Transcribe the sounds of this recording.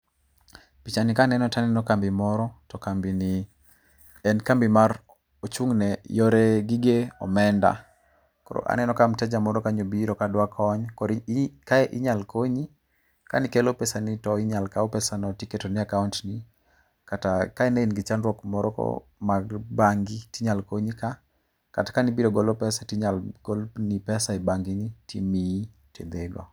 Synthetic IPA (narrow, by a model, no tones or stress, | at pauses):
pit͡ʃanikanɛnɔtanɛnɔkambɪmɔɾɔtɔkambini | ɛnkambimaɾ | ot͡ʃuŋnɛjɔɾeɡiɡeɔ̰mɛnda̰ | kɔ̰ɾɔ̰ʔa̰nɛnɔkamtɛd͡ʒamɔɾɔkaɲobiɾɔkadwakʰɔɲkɔɾkaɛʔɪɲalkoɲi | ka̰nikelopɛsanitɔɪɲalkaopɛsanɔtiketonɪakauntni | katakaɛneinɡɪt͡ʃanɾwɔkmɔɾɔkɔ̰ | maɡbaŋɡitiɲalkoɲika | katḁkanibiɾoɡɔlopɛsatiɲalɡɔlnipɛsaɛbaŋɡɪnitimi | tʰed̪eɡɔ̰